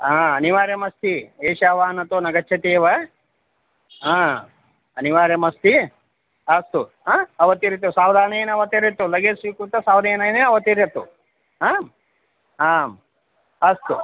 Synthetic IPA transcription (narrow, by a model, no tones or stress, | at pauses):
aːɐniʋaːɾjɐmɐst̪ieːʃaːʋaːnɐt̪oːnɐɡɐt͡ʃʰːɐt̪eːʋɐ | ɦãː | ɐniʋaːɾjɐmɐst̪i | ɐst̪u | aːɐʋɐt̪iɾit̪ːusaːwd̪ʱaːnɐjɐnɐʋɐt̪eɾjɐt̪ːulɐɡeːsʋikut̪ːɐsaːʋd̪ɐjɐnɐjneɐʋɐt̪iɾjɐt̪ːṵ | ɦaːm | aːm | ɐst̪u